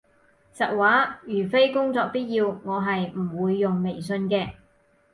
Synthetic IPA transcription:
t͡sɐ˨k̚waː˨˥jyː˨˩fe˥jkʊ˥ŋt͡sɔː˧k̚piː˥t̚jiː˧wŋɔː˨˧ɦɐ˨jm̩˨˩wuː˨˧jːʊ˨ŋme˨˩jsɵ˧nkɛː˧

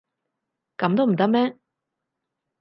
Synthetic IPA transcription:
kɐ˨˥mt̪o˥wm̩˨˩t̪ɐ˥k̚mɛː˥

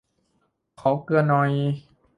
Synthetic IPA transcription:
kʰɔː˨˩˦kɯ˧ənːɔ˨˩j

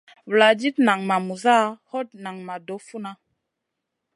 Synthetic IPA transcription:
wla˨d͡ʒi˦tna˨ŋma˨mu˨za˦ho˦t̚na˨ŋma˨do˨˦fu˦na˦

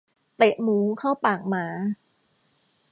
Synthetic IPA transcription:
t̪e˨˩ʔmuː˨˦kʰaː˥˩wpaː˨˩k̚maː˨˩˦

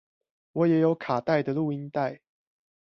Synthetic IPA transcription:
wɔ˨˦jɛ˨˦jo˨˦ʊkʰa˨˩t̪a˥˨ɪd̪ə˨lu˥˨i˦˥nt̪a˥˨ɪ

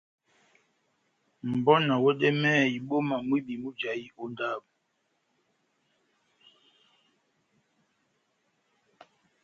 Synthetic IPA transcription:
m̩˨bɔ˦na˨wɛ˦ɗɛ˦mɛː˦˨i˨ɓo˦ma˨mwi˦bi˨mu˦d͡ʒa˨ji˦o˦nda˦˨p̚

